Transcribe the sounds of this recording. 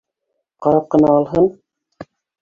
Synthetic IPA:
qɑɾɑp̚qɤ̆nɑːlˠɦɤn

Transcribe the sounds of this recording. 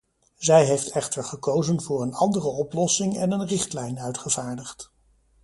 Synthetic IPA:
zɛjɦejftɛχtəɹχəkowzənvʊːɹənɑndərəɔplɔsɪŋɛ̰nənrɪχtlɛjnœɥtχəv̥aːɹdəχt

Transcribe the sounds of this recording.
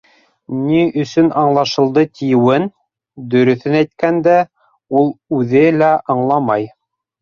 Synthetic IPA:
niɵ̆sɵnʔɑɴlˠɑʃɤ̆lˠd̪ɤt̪ijɘ̆wɘn | d̪ɵ̆ɾɵ̆θɘnæjt̪̚kænd̪æ | ulˠʉðɘlæʔɑɴlˠɑmɑj

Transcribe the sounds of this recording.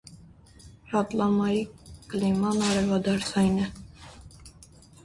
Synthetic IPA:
rɑt̪lɑmɑjiɡ̥limɑnɑɾɛvɑd̪ɑɾsʰɑjnɛ

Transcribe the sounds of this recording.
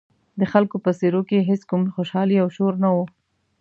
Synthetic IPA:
d̪əxalkopəseɾokeɦeskumxoʃɑliawʃoɾnawo

